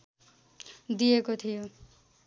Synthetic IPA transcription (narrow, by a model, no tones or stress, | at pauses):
d̪ijekot̪ʰijo